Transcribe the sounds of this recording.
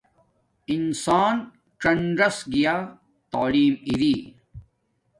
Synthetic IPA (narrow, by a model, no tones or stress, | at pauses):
insaːn | t͡ʃɐɳɖɐsɡijaː | t̪aːliːmiɾiː